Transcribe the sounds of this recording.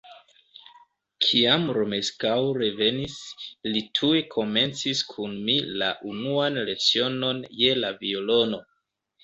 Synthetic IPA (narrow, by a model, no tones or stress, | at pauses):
kʰiamɾome̞skawɾe̞ve̞nislitʰuekʰo̞me̞nt͡siskʰunmila̰ʔunuanle̞t͡sio̞no̞nje̞lavio̞lo̞no̞